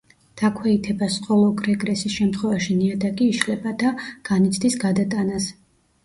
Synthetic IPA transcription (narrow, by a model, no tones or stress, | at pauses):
d̪̥akʰwɛit̪ʰɛbasqʼɔlˠɔɡʼɾɛɡɾɛsisʃɛmt̪χwɛvaʃiniad̪akʼiːʃlɛbad̪aɡ̥anit̪sʰd̪isɡad̪at̪ʼanas